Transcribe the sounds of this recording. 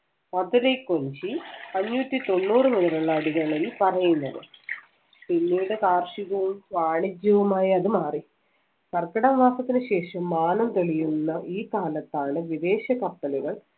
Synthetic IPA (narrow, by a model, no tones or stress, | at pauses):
ɐðuɾejkːo̞ɲt͡ɕiɐɲːuːt̪ːit̪o̞nːuːrɨmeðɐɾɐɭaːɽiɣɐɭelːpɐrɐjunːɐðɨ̰ | pinːiuɽekaːrʂiʋɐʋumʋaːɳid͡ʑjɐʋɐmaːjiɐðɨmaːri | sɐrkɐɽɐmʋaːsɐt̪ːinɨɕe̞ːʂɐmːaːnɐmt̪eɭijunːɐʔiːkaːlɐt̪ːaːɳɨʋid̪e̞ːɕɐkɐpːɐliɣɐɭ